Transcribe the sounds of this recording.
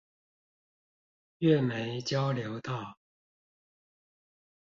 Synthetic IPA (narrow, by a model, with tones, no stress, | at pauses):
ɥɛ˥˨me˨˦ɪt͡ɕjɑ˦˥ʊljo˨˧˥ʊt̪ɑ˥˨ʊ